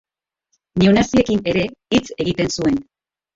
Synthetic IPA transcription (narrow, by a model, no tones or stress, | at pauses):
neunasie̞kine̞ɾe̞it͡se̞ɣit̪e̞nsue̞n